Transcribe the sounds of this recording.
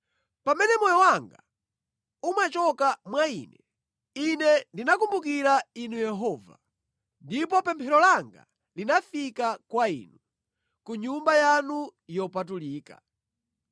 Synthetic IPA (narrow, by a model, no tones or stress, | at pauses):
pamɛnɛmɔjɔwaŋɡa̰ | umat͡ʃɔkamwaiːnɛ | inɛndinakumbuk̬iɾainujɛɦɔːva̰ | ndipɔpɛmpʰɛɾɔlaŋɡa̰ | linafikakwaḭːnu | kuɲumbajanujɔpatuliːka̰